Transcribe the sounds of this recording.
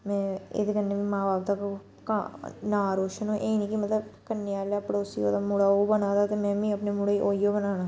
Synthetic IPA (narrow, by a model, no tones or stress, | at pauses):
mɛ̃ːḛd̪ekənːebʱimãːbaːp̚t̪ak | ka̰naːɾoːʃənɦõːʔeːnĩkimɐt̪ləbkənːijaːlapɽoʊsiod̪amʊɽaːobənaːd̪at̪emɛ̃ːbʱĩɐpnemʊɽeiʔoːijobənaːnaː